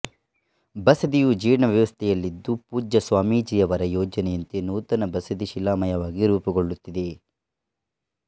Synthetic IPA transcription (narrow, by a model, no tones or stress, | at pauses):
bɐsɐd̪ijud͡ʒiːɾɳɐʋjɐʋɐst̪ʰɛjɐlːid̪ːupuːd͡ʒɐsʋaːmiːd͡ʒijɐʋɐɾɐjɔːd͡ʒɐnɛjɐnt̪enuːt̪ɐnɐbɐsɐd̪iʃilaːmɐjɐʋaːɡiɾuːpɐɡoɭːut̪ːid̪e̞